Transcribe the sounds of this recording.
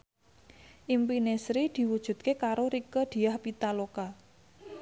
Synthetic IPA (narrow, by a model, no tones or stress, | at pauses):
ʔimpinesɾid̪̥i̤wud̥ʒ̥ṳt̪̚kekaɾoɾikəd̪̥i̤jahpit̪aloka